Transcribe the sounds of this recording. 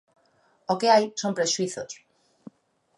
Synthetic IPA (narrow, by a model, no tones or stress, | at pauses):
okeajsompɾeʃuiθos